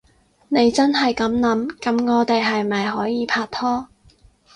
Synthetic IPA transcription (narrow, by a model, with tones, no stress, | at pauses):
ne˨˧jt͡sɐ˥nɦɐ˨jkɐ˨˥mnɐ˨˥mkɐ˨˥mŋɔː˨˧t̪e˨jɦɐ˨jmɐ˨jɦɔː˨˥jiː˨˧pʰaː˧t̚t̪ʰɔː˥